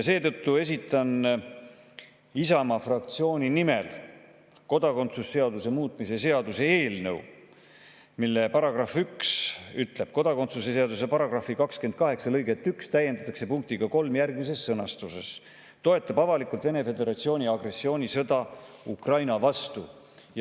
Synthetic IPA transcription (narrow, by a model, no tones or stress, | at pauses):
jse̞ːt̪ɤt̪ːue̞s̬ʲit̪ːˑɑn | isɑmɑfrɑk̚t̪sio̞ːnʲinime̞l | ko̞d̪ɑko̞nt̪susːe̞ɑd̪use̞muːt̪ˑmise̞se̞ɑd̪use̞eːlnɤ̰w | milːe̞pɑɾɑɡ̥rɑfyksyt̪ˑle̞b̥̚ko̞d̪̥ɑko̞nt̪suse̞se̞ɑd̪us̬e̞pɑɾɑɡ̥rɑfːikɑkske̞nt̪̚kɑɦe̞ksɑlɤjɡe̞t̪ːykst̪æjːe̞nd̪ɑt̪ːˑɑkse̞puŋk̚t̪iɡ̥ɑko̞lmjærɡmis̬e̞sːɤnɑst̪use̞s | t̪o̞e̞t̪ːˑɑbɑvɑlikult̪ve̞ne̞fe̞d̪e̞ɾɑt̪sio̞ːnʲiɑɡ̥re̞sːio̞ːnʲisɤd̪ɑukrɑjnɑvɑst̪u | j